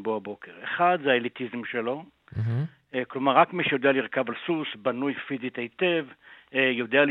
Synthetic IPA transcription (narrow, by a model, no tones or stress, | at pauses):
boabo̞keʁeχad̪zeaelit̪izmʃe̞lo̞ | klo̞maʁːakmiʃejo̞d̪ealiʁkavalsusbanujfizit̪eit̪evjo̞d̪eal